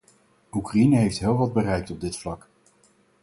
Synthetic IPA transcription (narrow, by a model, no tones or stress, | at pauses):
ukrainəɦejftɦɪːlˠʋɑd̚bərɛjk̚tɔb̚dɪtflɑk